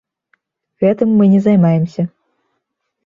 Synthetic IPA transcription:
ɣɛt̪ɨmːɨnʲɛzajmajɛmsʲɐ

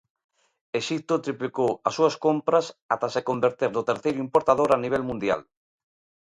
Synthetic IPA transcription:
eʃik̚t̪ot̪ɾiplikowasuaskompɾasat̪asekombeɾt̪eɾðʊt̪eɾθejɾʊimpoɾt̪aðoɾaniβ̞ɛlmũnd̪ja̰l

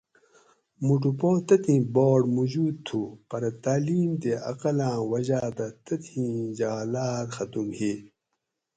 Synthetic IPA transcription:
muʈ̬upõːt̪ɐt̪ĩːboːɖmud͡ʑuːd̪̚t̪ʰupɐɾɐt̪aːliːmt̪eɐ̰qɐlãːwɐʑaːd̪ɐt̪ɐt̪ʰĩd͡ʑaːlaːɾxɐt̪umheː

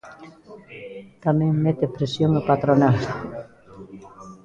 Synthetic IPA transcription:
t̪ameŋmet̪epɾesjoŋepat̪ɾonal

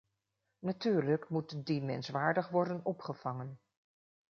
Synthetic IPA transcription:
natyːɹləkmutdimɛ̰nsʋaːɹdəχʋɔɹdənɔpχəv̥ɑŋən

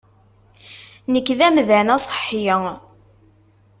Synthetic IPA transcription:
nəkːðæmðænæsˤħːiə

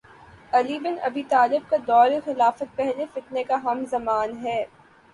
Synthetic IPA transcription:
ɐlibɪnɐbiːt̪aːlɪb̚kad̪ɔːɾexɪlaːfət̪̚pɛɦlefɪt̪nekaɦɐmzɐmaːnɦɛː

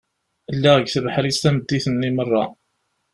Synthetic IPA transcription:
əlːæʁəɡθəvəħɾist̪æməd̪ːiθənːimərˤːɑ̰

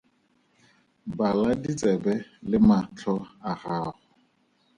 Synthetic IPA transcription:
baladit͡sʼɛbɛlɪmat͡ɬʰɔaɣaːχʊ

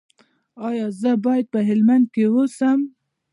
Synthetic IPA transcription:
ɑjɑzəbɑjad̪̚pəɦɪlmand̪̚kewosəm

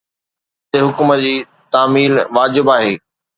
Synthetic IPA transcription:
t̪eɦʊkʊməd͡ʑiː | t̪aːmiːlʋaːd͡ʑɪbaːɦeː

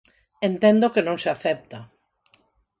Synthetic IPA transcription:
ent̪ẽnd̪okenõŋseaθɛp̚t̪a

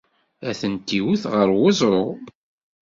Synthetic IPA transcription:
æθənt̪ːiwuθʁəɾwʊzˤɾˤo

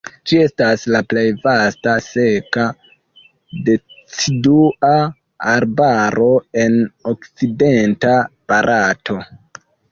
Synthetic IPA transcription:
d͡ʒie̞staslaple̞jvastase̞ka | det͡sidua | aɾbaɾʔo̞e̞no̞kt͡side̞ntapaɾʔatʰo̞

